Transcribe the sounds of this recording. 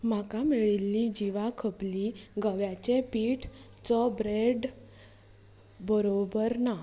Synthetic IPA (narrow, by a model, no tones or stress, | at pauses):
m̤akameɭilːid͡ʑiʋakʰəpliɡəʋjat͡ɕepiːʈ | t͡sɔbɾeɖ | bəɾobəɾna